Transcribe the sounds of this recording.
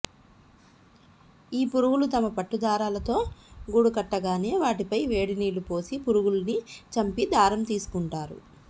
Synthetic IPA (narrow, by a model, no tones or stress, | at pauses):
iːpuɾuɡulut̪ɐmɐpɐʈːud̪aːɾaːlɐt̪o̞ːɡuːɽukɐʈːɐɡaːneːʋaːʈipɐjʋe̞ːɽiniːlupo̞ːsipuɾuɡulnit͡ʃɐmpid̪ʱaːɾɐmt̪iːsu̥kuɳʈaːɾṵ